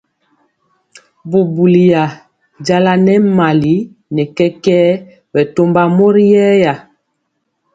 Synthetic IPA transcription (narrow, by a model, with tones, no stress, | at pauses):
bu˨bu˨li˨ja˨ | d͡ʒa˦la˦nɛ˦ma˨li˨˦ | nɛ˨kɛ˦kɛː˦ | wɛ˨to˦mba˦mo˦ɾi˦jɛː˦ja˨